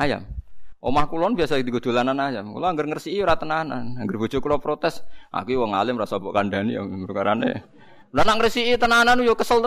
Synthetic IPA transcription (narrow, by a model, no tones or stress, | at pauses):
aja̰mʔo̰mahkulɔnbiasad̪iɡəd̪̥o̤lananajamkṵlɔaŋɡərŋərsiiuɾat̪ənana̰naŋɡərb̥o̥d͡ʒ̥ʊkulɔpɾot̪ɛsa̰kujwɔŋa̰lɪmrasabɔʔkandanija̰bəɾkaɾanḛ | lanaŋərsiʔit̪ənananujokəsəl